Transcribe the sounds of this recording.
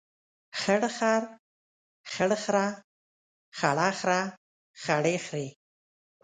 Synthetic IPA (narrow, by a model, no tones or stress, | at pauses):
xəɽxaɾ | xəɽxɾa | xaɽɑxɾa | xaɽexɾe